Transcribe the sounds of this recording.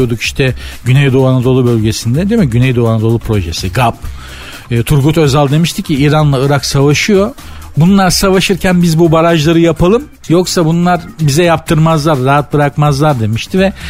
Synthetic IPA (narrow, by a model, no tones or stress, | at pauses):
od̪uki̥ʃt̪ʰɛɟynɛjd̪oanad̪olˠubø̞lʲɟe̞sind̪ɛd̪emɛɟynɛjd̪oanad̪o̞lˠupʰɾo̞ʒesiɡapː | t̪ʰuɾɡut̪ø̞zalʲd̪e̞miʃt̪ʰicʰːiiːɾanlˠaɯɾaksavaʃɯjo̞ | bunlˠaɾsavaʃɯɾcʰænbizbubaɾaʒlˠaɾɯjapʰalˠɯm | joksabunlˠaɾbizɛjap̚t̪ʰɯɾmazlˠaɾːaɦat̪̚bɯɾakmazlˠaɾd̪e̞miʃt̪ʰivɛ